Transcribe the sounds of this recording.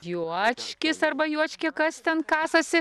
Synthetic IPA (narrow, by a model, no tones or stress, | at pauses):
juɔt͡ʃʲkʲɪsɐrbɐjuɔt͡ʃʲkʲɪkɐst̪ʲɛnkɑːsɐsʲɪ